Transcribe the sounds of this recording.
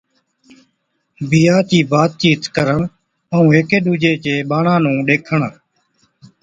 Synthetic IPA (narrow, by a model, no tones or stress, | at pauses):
biːaːt͡ʃiːbaːt̪̚t͡ʃiːt̪kəɾəɳ | əũːeːkeːɗuːd͡ʒeːt͡ʃeːɓaːɳãːnũːɗeːkʰəɳ